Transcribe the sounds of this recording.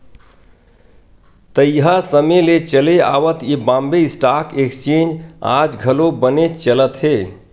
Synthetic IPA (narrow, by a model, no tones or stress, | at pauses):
t̪əjɦasəmelet͡ʃəlea̰ʋət̪ibãmbeisʈakekst͡ʃẽnd͡ʒa̰d͡ʒɡʱəlobənet͡ʃələt̪ɦe